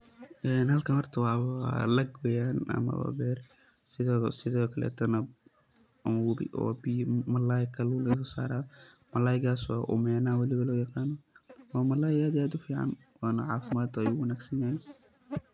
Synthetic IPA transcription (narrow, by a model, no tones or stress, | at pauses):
ʔɛːnhɐlkʰɐhɔrt̪ʰɐwɑːβɐlɐɡwɛjaːnɐ̰mɐ̰wa̰bɛːr | sɪðsɪðɔkʰɐlɛ̰ːt̪ʰɐnɐ | ʔʊnwʊɾɪ̰ʔɔ̰ːbimɐlaːjɪkʰɐlʊlɛjsɔsa̰ːɾaː | mɐlaːjɪɡaːswɑ̰ːʔʊ̰mɛnaːwɑlɪβɐlɔːjɑqɑːnɔwɑːmɐlaːjɪaːd̪ijaːd̪ʊfiːʕɑ̰n | wɑːnɐʕɑ̰ːfɪmaːd̪ɐjuwɐnaːɡsɐnjaːjɛ